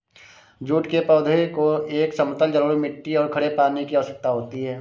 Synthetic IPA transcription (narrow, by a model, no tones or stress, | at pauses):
d͡ʒuːʈkepɔːd̪ʱəikoeːksəmət̪əld͡ʒəɾuːɽimɪʈːiɔːɾkʰɐɽepaːnekiəʋəsək̚t̪aɦoːt̪iɦɛː